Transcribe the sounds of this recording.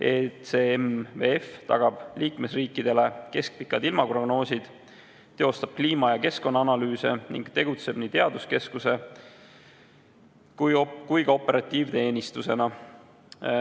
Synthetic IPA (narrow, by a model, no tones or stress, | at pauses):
esemveeft̪ɑ̰ɡ̥ɑb̥liːkme̞sriːkˑːid̪̥e̞le̞ke̞sk̚pikˑːɑd̪̥ilmɑpro̞ɡ̥no̞ːsʲid̪̥ | e̞o̞st̪ɑb̥̚kliːmɑjɑke̞sko̞nːɑɑnɑlyːse̞̰nḭŋɡ̥t̪e̞ɡ̥ut̪se̞b̥nit̪eɑd̪uske̞skuse̞ | kujkujɡ̥ɑo̞pːˑe̞ɾɑt̪ʲːˑiːvt̪e̞ːnʲist̪use̞nɑ